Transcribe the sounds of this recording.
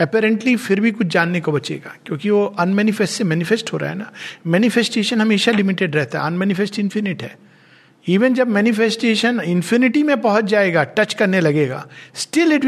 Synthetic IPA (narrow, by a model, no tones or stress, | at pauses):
ɛpɛːɾɛ̃ɳʈlifɪɾbʱikʊt͡ʃʰd͡ʒaːnːekobɐt͡ʃḛːɡa̰ːkjõːkiʋoʔɐnmɛːnɪfɛsʈsemɛːnɪfɛsʈɦoːɾa̰ɦɛ̰namɛːnɪfesʈeːʃənɦɐmeːʃalɪmɪʈeɖɾɛɦt̪aɦɛ̰ɐnmɛːnɪfɛsʈɪ̃nfɪnɪʈɦɛ̰ː | iːʋənd͡ʒɐbmɛːnɪfesʈeːʃənɪ̃nfʰɪnɪʈimẽpɐɦʊt̪̚d͡ʒaːeːɡaːʈɐt͡ʃkɐɾnelɐɡeːɡa̰ːsʈɪlɪʈ